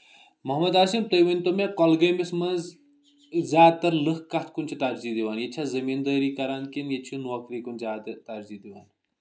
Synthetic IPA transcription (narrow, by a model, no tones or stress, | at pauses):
mɐɦmɐd̪aːsimt̪ɐjʋɐnʲt̪omẽkɔlɡɐjmismɐnz | zʲaːd̪̚t̪ɐɾlɨxkːɐt̪ʰkunʲt͡ʃʰit̪aɾziːd̪iʋaːnjet͡ʃʰazɐmind̪əːɾiːkɐɾaːnkinjet͡ʃʰinuɐkɾiːkunzʲaːt̪t̪ɐɾzid̪iʋaːn